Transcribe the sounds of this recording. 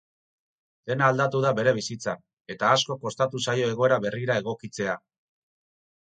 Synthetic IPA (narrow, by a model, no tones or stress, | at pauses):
d̪̥e̞naːld̪at̪uðaβe̞ɾe̞β̞isit͡sa | e̞t̪aːsko̞ko̞st̪at̪usajo̞e̞ɣ̞o̞e̞ɾaβe̞riɾaeɣ̞o̞kit͡se̞a